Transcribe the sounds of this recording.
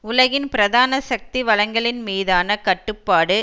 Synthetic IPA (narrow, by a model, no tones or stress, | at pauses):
ʊlɐɣɪnpɪɾɐðaːnɐsɐk̚t̪iʋɐɭɐŋɡɐɭɪnmiːðaːnɐkɐʈːɯpːaːɽɯ